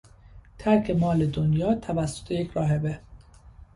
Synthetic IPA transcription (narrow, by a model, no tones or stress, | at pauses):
t̪ʰæɾkʰe̞mɒːle̞d̪onjɒːt̪ʰævæsːo̥t̪ʰejecʰɾɒːɦe̞be